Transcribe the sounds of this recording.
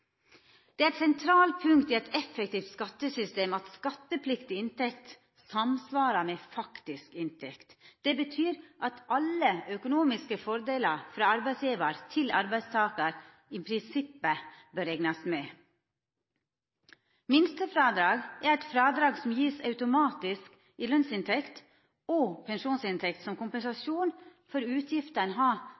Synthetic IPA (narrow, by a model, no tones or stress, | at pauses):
d̪̥ɛːæsɛnt̪ʰɾɑːlpʰʉŋkt̪ɪɛt̪ʰɛfək̚t̪iːft̪skɑt̪ːəsʏst̪eːmɑt̪skɑt̪ːəpʰlɪkt̪ɪɪnt̪ɛk̚t̪ | sɑmsʋɑːɾɑmefɑkt̪ɪskɪnt̪ʰɛkt̪d̪̥ɛbət̪ʰyːɾʔɑt̪ɑləœkʊnuːmɪskəfɔɾd̪eːləɾfɾɑːɑɾbæɪsjiːʋəɾt̪ʰɪlɑ̰ɾbæɪd̪st̪ʰɑːkəɾ | iːpʰɾɪnsɪpːəbøɾɛɡnɑsmɛː | mɪnst̪əfɾɑːd̪ɾɑːɡæɾɛt̪fɾɑːd̪ɾɑːɡsɔm̩jiːsɑʉt̪ʊmɑːt̪ɪsk | iːlœnsɪnt̪ʰɛkt̪ | opʰɛnʃuːnsɪnt̪ʰɛkt̪sɔmkʊmpənsɑsuːnfɔɾʉːt̪ʰjɪft̪ənəɦɑː